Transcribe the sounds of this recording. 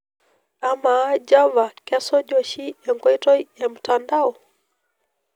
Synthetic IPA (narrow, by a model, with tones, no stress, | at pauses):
a˨maː˦d͡ʒa˦va˨kɛsɔ˦ʄɔ˨ʃi˦jaŋɡɔ˨itɔ˦jam̩tandaɔ˨